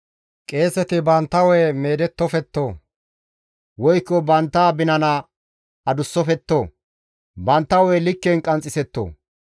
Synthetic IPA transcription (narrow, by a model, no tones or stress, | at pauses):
kʼe̞ːsɛt̪ɪbɐnt̪ːɐwɛjmeːd̪ɛt̪ːɔfɛt̪ːoː | wɔjkːɔbɐnt̪ːaːbɪnɐna | ɐd̪ʊsːɔfɛt̪ːoː | bɐnt̪ːɐwɔjlɪkːɛnkʼɐnt͡sʼːɪsɛt̪ːo̰ː